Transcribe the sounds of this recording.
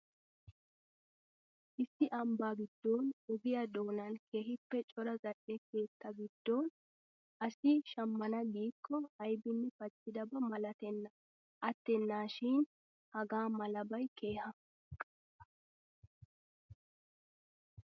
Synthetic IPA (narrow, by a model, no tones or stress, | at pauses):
ʔɪsːɪʔɐmbaːɡɪd̪̥ːoːnʊɡɪjɐd̪o̞ːnɐnkʰe̞ːɦɪpːɛt͡ʃʼɔɾɐzɐʔɛke̞ːt̪ːɐɡɪd̪̥ːoːn | ʔɐsɪʃɐmːɐnɐɡiːkʰːɔɐjbɪnːɛfɐt͡sʼːɪd̪ɐbɐmɐlɐt̪ɛnːɐ | ʔɐt̪ːɛnːaːʃɪn | hɐɡaːmɐlɐbɐjkʰe̞ːhɐ